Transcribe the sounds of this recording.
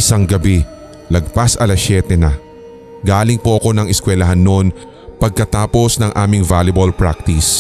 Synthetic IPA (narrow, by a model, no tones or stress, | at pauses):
ɪsaŋɡɐbi | lɐɡ̚pasʔɐlɐsjɛːt̪ɛnɐ | ɡaːlɪŋpoʔɐko̞nɐŋɪskwɛlɐɦanːo̞n | pɐɡ̚kɐt̪aːpo̞snɐŋʔaːmɪŋvalɐbɐlpɹak̚t̪ɪs